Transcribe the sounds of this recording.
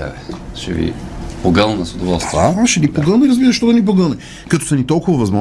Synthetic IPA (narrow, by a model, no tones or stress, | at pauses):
ɛ̰vɛʃɛ̰vḭpoɡəlˠnnɐsʊd̪ovɔlˠst̪vəaʃɛnipoɡənəiɾɐzbiɾəʃt̪ɔd̪ɐnʲip̬oɡəlˠnə | kɐt̪ɔ̥sɐnit̪ɔlˠkʊvɐvɐzmɔ